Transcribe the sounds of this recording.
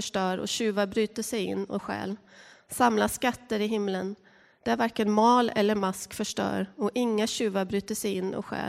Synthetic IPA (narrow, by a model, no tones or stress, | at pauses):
œʂʈœːɾɔ̰ɕʉ̟ːvaɾbɾyːt̪əʂɛjɪ̰nːɔ̰ɧɛ̰ːlsamlaskat̪ːəɾɪɦɪmːlən | d̪̥ɛæɾvæɾkənmɑːlɛ̰lːəɾmaskfœʂʈœ̰ːɾɔʔɪŋːaɕʉ̟ːvaɾbɾyːt̪əʂɛjɪnːɔ̰ɧɛ̰ːl